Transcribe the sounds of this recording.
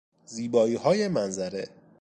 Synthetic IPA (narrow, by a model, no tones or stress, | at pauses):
ziːbɒːiːhɒːjemænzæɾe